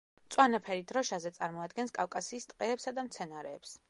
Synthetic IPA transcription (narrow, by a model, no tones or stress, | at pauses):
t̪sʼwanapʰɛɾid̪ɾɔʃazɛt̪sʼaɾmɔad̪̚ɡɛnskʼafkʼasiːst̪ʼqʼɛːpsad̪amt̪sʰɛnaɾɛːps